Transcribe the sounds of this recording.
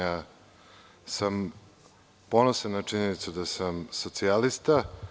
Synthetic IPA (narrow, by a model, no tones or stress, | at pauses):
aː | sam | po̞nosanat͡ʂiɲenit̪sud̪asamso̞t̪sialist̪a